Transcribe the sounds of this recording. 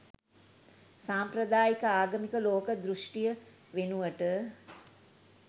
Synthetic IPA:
saːmpɾɐd̪aːjikəaːɡəmikəloːkəd̪ɾuʂʈijə | ʋenuʋəʈə

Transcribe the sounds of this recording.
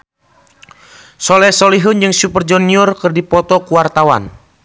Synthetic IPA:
sɔlɛsoliɦund͡ʒɨŋsupərd͡ʒɔniɔrkɨrdipɔt̪ɔkuwart̪awa̰n

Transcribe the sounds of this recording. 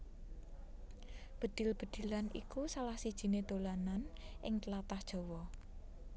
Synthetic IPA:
b̥ə̤d̪̥ɪ̤lb̥ə̤d̪̥i̤lanʔḭkusalahsid̥ʒ̥i̤ned̪̥olananʔɪŋt̪əlat̪ahd̥ʒ̥ɔ̤wɔ

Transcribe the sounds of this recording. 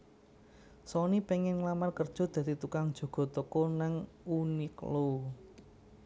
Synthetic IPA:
sɔnipeŋɛnŋlamarkərd̥ʒ̥ɔ̤d̪̥ä̤d̪̥it̪ukaŋd̥ʒ̥o̤ɡ̥ɔ̤t̪okɔnaŋuniklo

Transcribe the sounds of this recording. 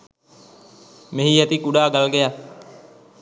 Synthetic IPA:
meɦiːət̪ikuɖaːɡalɡeja

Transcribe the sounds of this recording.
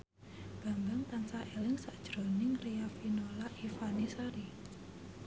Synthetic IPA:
ɡ̥a̤mbaŋt̪ansaɛlŋsaʔd̥ʒ̥ɾo̤nɪŋreafinolaʔifanisaɾi

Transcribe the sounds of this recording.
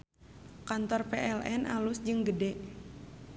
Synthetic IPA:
kant̪ɔrpeʔɛlʔɛnʔa̰lusd͡ʒɨŋɡədɛʔ

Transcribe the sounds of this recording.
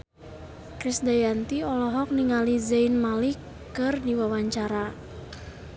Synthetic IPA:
kɾisdajant̪iɔlɔɦɔk̚niŋalizainmalikː | ɨrdiwawaɲt͡ʃaɾa

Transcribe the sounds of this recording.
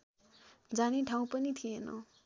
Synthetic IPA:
d͡zaniʈʰaw̃pʌnit̪ʰienʌ̰

